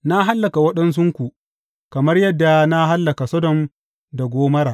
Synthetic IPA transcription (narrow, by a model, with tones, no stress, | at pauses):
na˦ɦa˦lːɐ˨ka˨wɐ˦ɗɐ˦ns̬ʊ˦ŋkʷu˨ʔ | kɐ˨mɐ˦rjɐ˦dːa˨na˦ɦa˦lːɐ˨ka˨sɐ˦dɔ˨n | da˨ɡʷoː˦mɐ˦ɾaː˨